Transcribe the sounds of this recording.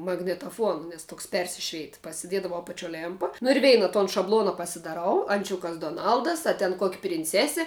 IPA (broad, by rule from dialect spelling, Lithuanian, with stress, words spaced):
mɐɡnʲɪtɐˈfuɔnɐ nʲɛs ˈtoːks ˈpʲɛrʲsʲɪʃʲʋʲɛɪt pɐsʲɪˈdʲiɛdɐʋɐʊ ɐpɐˈt͡ʃʲoː ˈlʲeːmpɐ nʊ ɪr ˈʋʲɛɪnɐ toːn ʃɐbˈlˠoːnɐ pɐsʲɪdɐˈrɐʊ ɐnʲˈt͡ʃʲʊkɐs doːˈnɐlˠdɐs ɐ tʲɛn koːkʲ pʲrʲɪnʲˈt͡sʲæːsʲɪ